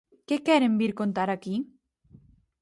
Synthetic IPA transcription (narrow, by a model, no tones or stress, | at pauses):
kekɛɾembiɾkont̪aɾaki